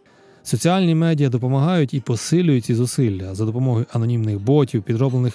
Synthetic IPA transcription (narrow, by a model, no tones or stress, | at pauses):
sɔt͡sʲiɑlʲnʲimɛdʲijɐd̪ɔpɔmɐɦɑjʊtʲipɔsɪlʲʊjʊt̚ʲt͡sʲizʊsɪlʲːɐzɐd̪ɔpɔmɔɦɔjʊʔɐnɔnʲimnɪxbɔtʲiwpʲid̪ɾɔblˠenɪx